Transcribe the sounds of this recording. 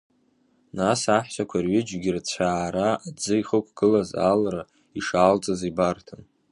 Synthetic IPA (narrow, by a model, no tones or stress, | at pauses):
nasaħʃʷakʷʰarɥɪd͡ʒɡʲɪrt͡ɕʷʰaːɾaːd͡zɨiχəkʷʰɡ̥ɨlaza̰lra | iʂaːlt͡sʼazibartʰan